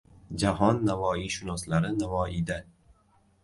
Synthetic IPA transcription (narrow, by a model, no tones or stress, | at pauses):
d͡ʒaɦɒnːavɒːiʃʊnɒslaɾɪnavɒːʔid̪a